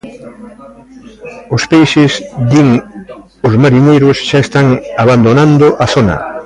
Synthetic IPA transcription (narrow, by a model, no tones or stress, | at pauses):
ʊspejsɪzd̪iŋ | ʊzmaɾinejɾʊsʃaest̪aŋaβand̪onãnd̪ʊʔaθonɐ̰